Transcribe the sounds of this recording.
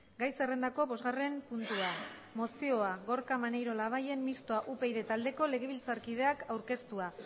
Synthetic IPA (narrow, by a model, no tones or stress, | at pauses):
ɡajse̞re̞nd̪ako̞βo̞zɣare̞mpunt̪uamo̞sio̞aɣo̞ɾkamanejɾo̞laβ̞aje̞mmist̪oaʔupe̞jðe̞t̪ald̪e̞ko̞le̞ɣ̞e̞β̞ilt͡saɾkið̞e̞akawɾke̞st̪ua